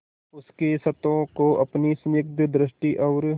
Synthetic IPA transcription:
ʊskesɐt̪õkoʔɐpnismɪk̚d̪d̪ɾɪʃʈiʔɐːɾ

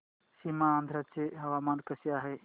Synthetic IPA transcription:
simaənd̪ʱɾət͡ʃeɦɐʋamaːnkəsijaɦe

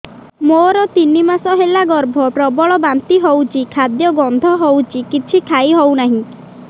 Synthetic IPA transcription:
moɾɔt̪inimasɔɦelaɡɔɾbʱɔpɾɔbɔɭɔbant̪iɦowt͡ʃʰikʰad̪jɔɡɔnd̪ʱɔɦowt͡ʃʰikit͡ʃʰikʰaiɦownaɦĩ

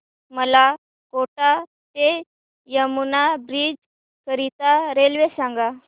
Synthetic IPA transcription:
məla | koʈa | t̪e | jəmunabɾiːd͡ʑ | kəɾit̪aɾelʋesãŋɡa

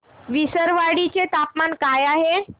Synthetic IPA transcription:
ʋisəɾʋaɽit͡ɕet̪apmankajaɦe

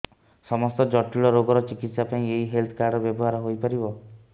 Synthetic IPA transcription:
sɔmɔst̪ɔd͡ʒɔʈːiɭɔɾoɡɔɾɔt͡ʃikit̪sapaĩeɦiɦelt̪ʰkaɾɖɔbjɔbɔɦaɾɔɦojpaɾibɔ

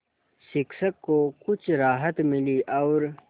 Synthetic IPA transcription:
ʃɪksəkːokʊt͡ʃʰɾaːɦət̪miliʔɐwɾ

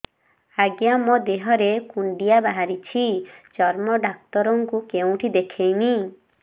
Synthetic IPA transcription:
aɡjamɔd̪eɦɔɾekuɳɖijabaɦaɾit͡ʃʰid͡ʒɔɾmɔɖak̚t̪ɔɾɔŋkukeũʈʰid̪ekʰejni

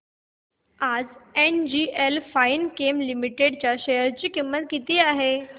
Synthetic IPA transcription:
ad͡zend͡ʑiʔelfainkemlimiʈeɽt͡ɕjaɕejəɾt͡ɕiːkimːət̪kit̪iːaɦe

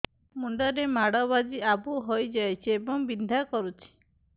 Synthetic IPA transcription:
muɳɖɔɾemaɽɔβad͡ʒiabuɦojd͡ʒajt͡ʃʰiebɔŋbind̪ʱakɔɾut͡ʃʰi̥

